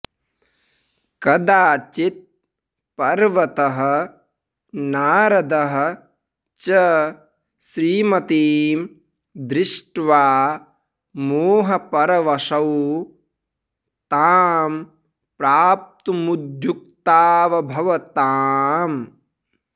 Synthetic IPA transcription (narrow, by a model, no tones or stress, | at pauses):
kɐd̪aːt͡ʃit̪̚ | pɐɾʋɐt̪ɐɦɐ̆ | naːɾɐd̪ɐɦɐ̆ | t͡ʃɐ | sɾiːmɐt̪iːm | d̪ɾɪʂʈʋaː | muːɦɐpɐɾɐʋɐʂɐw | t̪aːm | pɾaːp̚t̪umud̪ʱjuk̚t̪aːʋɐbʱɐʋɐt̪aːm